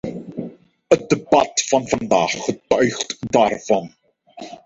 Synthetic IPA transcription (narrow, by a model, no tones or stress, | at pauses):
ət̚dəbɑ̰tfɑnvɑndaːχːətœɥχtdaːrv̥ɑn